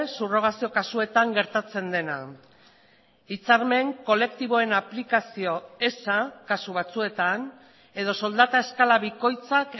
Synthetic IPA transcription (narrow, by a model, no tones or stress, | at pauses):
suro̞ɣ̞asio̞kasue̞t̪aŋɡe̞ɾt̪at͡se̞nd̪e̞na̰ | it͡saɾme̞ŋko̞le̞kt̪iβo̞e̞naplikasio̞e̞sakasuβ̞at͡sue̞t̪an | e̞ð̞o̞so̞ld̪at̪ae̞skalaβiko̞jt͡sak